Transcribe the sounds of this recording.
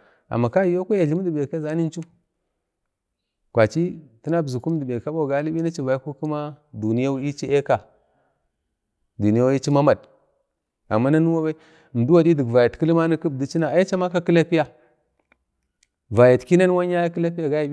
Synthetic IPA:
a̰˨mːa˨ka˦˨jo˦ka˦ja˨ɮi˦m˦di˨be˨ka˦za˦ni˦n˦t͡ʃu˦ | kʷa˨t͡ʃi˦ti˦na˦bzu˨ku˦m˦di˨be˨ka˦ɓa˦˨ɡa˨˦li˦ɓi˦na˦t͡ʃi˦˨va˨ji˦ku˦ku˦ma˦du˨ni˦ja˦i˦t͡ʃi˦e˦ka˨ | du˨ni˦ja˦wi˦t͡ʃi˦ma˦ma˨d | a̰˨mːa˦na˦nu˦wa˦ba˦i˦˨ | m˨du˦wa˨di˦di˨ɡva˨ja˨tki˦li˦ma˦ni˦ki˦b̚di˦t͡ʃi˦na˨a˨ji˦t͡ʃa˦ma˦ka˦ki˦la˦pi˦ja˨ | va˨ja˨tki˦na˦n˦wa˦ɲ˦a˦ja˦ki˦la˦p̬i˦ja˨ɡa˦ja˨i˦

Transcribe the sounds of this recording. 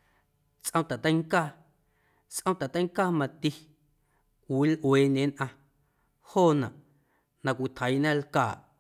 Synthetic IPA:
t͡sʔə̃˧˦t̪a˨t̪ə̃˦ŋkaː˦ | t͡sʔə̃˦t̪a˨t̪ə̃˦jŋkaː˦mã˧t̪i˦ | kʷi˨˦lʔweː˨ɲẽ˨˦nʔã˧ | hoː˦˨nã̰˨ʔ | nã˧kʷi˨t̪ʰə˨jnã˦lkaː˨ʔ

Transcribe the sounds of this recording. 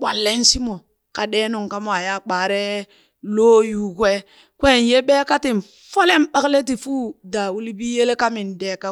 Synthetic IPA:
k͡pʷa˨lːe˦n˦si˦mo˨ | ka˨deː˦nu˨ŋ˨ka˦mo˦a˨ja˦˨k͡pa˨ɾe˦ | lo˦ju˦kwe˦ | kʷe˦˨n˨je˦be˦ka˦ti˨m˨ | fo˦le˦m˦ɓa˦kle˦t̬i˨fu˦da˨wu˦li˦bi˦je˦le˦ka˦mi˨nde˨˦ka˦

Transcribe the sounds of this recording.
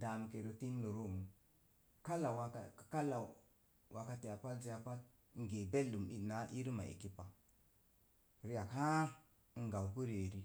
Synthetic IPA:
da˨m˨ke˨ɾo˨ti˦n˦lo˨ɾo˦˨mu˨ | ka˦la˨wa˨ka˨ka˦la˨ | wa˨ka˨te˨ja˨pa˦lze˦ja˨pa˦t | ŋ˦ɡe˨be˦lːu˨mi˦˨na˦ʔi˦ɾi˦ma̰˨ḛ˨ki˦pa˨ | ɾi˦ja˨khã˦˨ | ɡa˨wku˦ɾe˨ɾi˦

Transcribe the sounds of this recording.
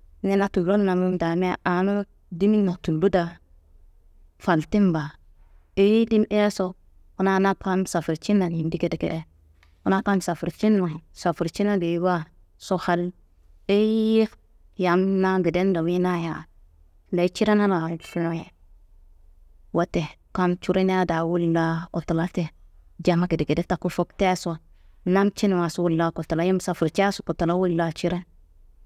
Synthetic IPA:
ne˦na˦tu˨ɾo˦n˦na˨mu˦da˨me˦ʔa˨no˦ | di˦mi˦na˨tu˨lu˦da˨ | fa˨lti˦mba˨ | e˦ji˦di˦m˦e˦e˦so˦ | u˦na˦na˦ka˦nsa˨fu˨ɾt͡ʃi˦nːa˨ni˨ndi˦ke˦de˨kḛ˨de˦ | u˦na˦ka˦nsa˨fu˨ɾt͡ʃi˦nːa˨sa˨fu˨ɾt͡ʃi˦na˦ɡe˨˦ba˦ | so˦ha˦l | e˦je˦ | ja˨mna˦ɡi˨de˦ndo˨wi˦na˦ja˨ | le˨˦t͡ʃi˦ɾe˦na˦na˨ɬje˨ | wa˦te˨ka˦nt͡ʃu˦ɾe˦na˦da˨wu˦lːa˦o˨ta˨la˦te˨d͡ʒa˨ma˦ki˨di˨ki˨de˦ta˨ku˦fo˦kte˦so˦˨ | na˦nt͡ʃi˦n˨wa˨su˦wu˦lːa˦ko˨ta˨la˦ji˦msa˨fu˨ɾt͡ʃe˦su˨ko˨ta˨la˦wu˦lːa˦t͡ʃi˦ɾe˦n

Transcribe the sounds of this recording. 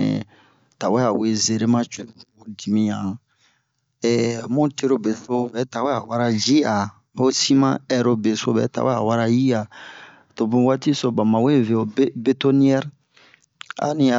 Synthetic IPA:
ɛ̰˨ | ta˨wɛ˦a˨we˦ze˨ɾe˦mã˦t͡ʃe˨u˨o˨di˨mĩ˨jã˨ | ɛ˨mũ˦te˦ɾo˦be˨so˦bɛ˨˦ta˨wɛ˦a˨wa˦ɾa˦d͡ʒi˦a˨ | o˦sĩ˦mã̰˦ɛ˨ɾo˨be˨so˦bɛ̰˨˦ta̰˨wɛ˦a̰˨wa˦ɾa˦ji˦a˨ | to˨bũ˨˦wa˦ti˦so˨bã˨mã˨we˦˨ve˨o˨bbe˦to˦ni˦ɛ˦ɾ | a̰˨nĩ˦a˨

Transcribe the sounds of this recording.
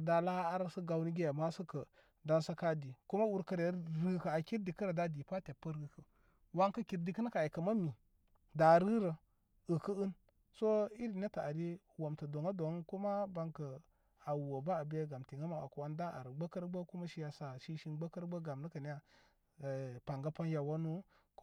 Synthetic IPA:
da˨la˦a˦ɾsə˦ɡa˨wni˦ɡe˦ja˨ma˦sə˦kə˨ | da˦nsa˦ka˦di˨ku˦ma˦wu˦ɾkə˦ɾe˨˦ɾɨ˦ka˨a˨ki˦ɾdi˨kə˦ɾə˨da˦di˨pa˦te˨pːə˦ɾɨ˨kə˨ | wa˦ŋkɐ˦ki˨ɾdi˨kə˦n˦ka˨i˨kə˨ma˦mi˨ | da˨ɾɨ˦ɾə˨ | ɨ˨kə˦ɨ˦n | so˦i˦ɾi˨ne˦ta˨a˨ɾi˦ | wo˨mtə˨do˨ŋa˦do˨ŋ˦ku˦ma˦ba˦ŋkə˨ | a˨wo˨ba˦a˨be˦ɡa˨mti˨ŋa˦ma˨a˨ku˨a˦nda˦ʔa̰˨ɾɡ͡bə˦kə˦ɾɡ͡bə˦ku˦ma˦ʃi˦ja˨sa˨ʃi˦ʃi˦nɡ͡bə˦kə˦ɾɡ͡bə˦ɡa˨mnə˦kə˨ni˦ja˦˨ | pa˨ŋɡa˦pa˦nja˨wa˦nu˦

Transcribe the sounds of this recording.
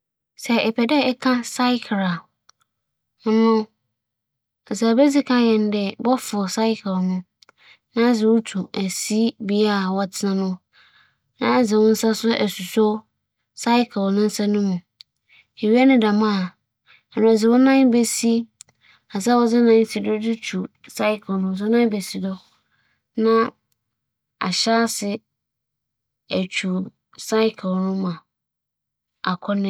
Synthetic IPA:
sɛ˨ɛ˨pʰɛ˨dɛ˦ɛ˦kʰã˦sa˦ɪ˦kʰɾa˨ | ʊ˦nʊ̃˦ | ɛ˨sa˨bɛ˦d͡zi˦kʰã˦jɛ̃˨ndɛ˨bɔ˦fʊ˨sa˦ɪ˦kʰɪ˨lnʊ̃˦ | nã˦d͡zɪ˨wʊ˦tʰu˨æ˨si˦bi˦a˦˨wɔ˨tʰɪ˨nã˦nʊ̃˦ | nã̰˦d͡zɪ˨wʊ̃˦n̩˦sa˦sʊ˦ʔæ˨su˨sɔ˦ | sa˦ɪ˦kʰɪ˨lnʊ̃˦n̩˦sa˦nʊ̃˦mũ˨ | e˨ɥi˦a˦nʊ̃˦da˨mã˦˨ | ɛ˨nʊ̃˨a˨d͡zɪ˨wɔ˦nã˦n˦bæ˨si˦ | a˨sa˦wɔ˨d͡zɪ˦nã˦n̩˦si˨dɔ˦dɪ˦t͡ɕʰu˨sa˦ɪ˦kʰnʊ̃˦˨s̬ʊ˦nã˦bæ˨si˨dɔ˦ | nã˦ | a̰˨ɕa˦sɪ˨ | æ˨t͡ɕʰu˨ | sa˦ɪ˦kʰlnʊ̃˦mã˨ | a˨kʰɔ˦nɪ̃˦

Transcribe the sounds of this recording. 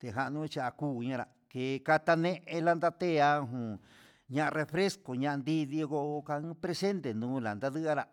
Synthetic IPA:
t̪e˨ɦa˧ʔnũ˦t͡ʃa˧a˧kuː˦˨˧ɲã˧ɾa˨ | ke˨ka˧t̪a˧nẽ˦ʔẽ˧la˦nd̪a˦˧t̪e˦˨a˧˦ɦũ˨ | ɲã˦ʔa˧re˧fɾe˦sko˨ɲã˧ʔa˧nd̪i˦ði˧ɣo˦˧ʔkã˧˦pɾe˧se˦nt̪e˨nũː˦la̰˨nd̪a˦ðɨ˦a˦ɾa˧

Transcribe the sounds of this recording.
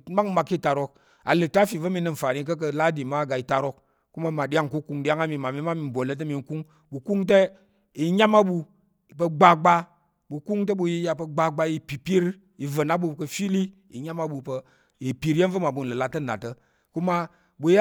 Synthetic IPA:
ma˦kma˧kːi˦˨ta˨ɾo˦k̚ | a̰˨lə˨ta˦fi˨və˦mi˧nə˧n̩˨fa˨ni˦k̬ə˦k̬ə˧la˦di˨ma˦˨ɡa˨i˨ta˨ɾo˦k | ku˦ma˦ma˨ɗi˦ja˦ŋku˦ku˦ŋɗi˦a˦ŋa˦mi˨ma˨mi˦ma˦mi˨n˨bʷo˨lə˦t̬ə˦mi˨n˦ku˦ŋ | ɓu˨ku˦ŋt̬e˦ | i˨ɲa˦ma˦ɓu˧˨ | pə˧ɡ͡ba˨ɡ͡ba˦ | ɓu˨ku˦ŋt̬e˦ɓu˧ji˦ja˨pə˨ɡ͡ba˨ɡ͡ba˧˦ji˨pi˨pi˦ɾ | ji˨və˨na˦ɓu˧˨kə˧fi˦li˦ | ḭ˨ɲa˦ma˦ɓu˧pə˧ | ji˨pi˨˦ɾje˦nvə˦ma˨ɓu˨nlə˨la˨tə˦na̰˨tə˦ | ku˦ma˦ | ɓu˨ja˦

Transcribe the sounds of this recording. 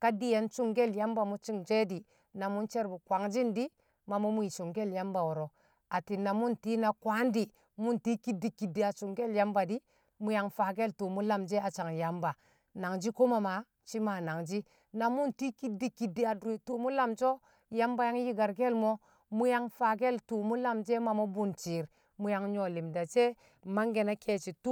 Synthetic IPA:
ka˦di˦je˨˦nt͡ʃu˦ŋɡe˦lja˦mba˨mu˦t͡ʃi˦ŋd͡ʒe˦di˨ | na˨mu˦nt͡ʃe˦ɾbu˨kwʷa˨˦ŋd͡ʒi˦ndi˦ | ma˨mo˦mu˦ji˨t͡ʃu˨ŋɡe˦˨lja˦mba˨wo˨ɾo˨ | a˨ti˨na˨mu˦nti˦na˨kwa˦ndi˨ | mu˦nti˦ki˦di˨ki˨di˨a˨t͡ʃu˨ŋɡe˦lja˦mba˨di˦ | mu˦ja˦ŋfa˨ɡe˦ltu˨mu˦la˦md͡ʒe˦a˨t͡ʃa˨ŋja˨mba˨ | na˨ŋd͡ʒi˦ko˦ma˨ma˨ | t͡ʃi˦ma˨na˨ŋd͡ʒi˦ | na˨mu˦nti˦ki˦di˦ki˨di˦a˨du˨tu˨mu˦la˦md͡ʒo˦ | ja˦mba˦ja˦ŋji˦ɡa˨ɾɡe˦lmo˦ | mu˦ja˦ŋfa˨ɡe˦˨ltu˨mu˦la˦md͡ʒe˦ma˨mo˦bu˦nt͡ʃi˨ɾ | mu˦ja˨˦ŋɲo˨li˨mda˨t͡ʃe˦ | ma˦ŋɡe˨na˦kʰe˦t͡ʃi˨tu˦

